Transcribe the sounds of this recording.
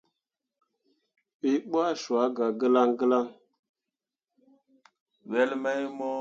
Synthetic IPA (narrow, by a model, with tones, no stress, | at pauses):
ɓi˦ɓwa˦ʃu˨a˨˦ɡa˨ɡə˦la˦ŋɡə˦la˦ŋ | wɛ˦lma˦jmɔ˦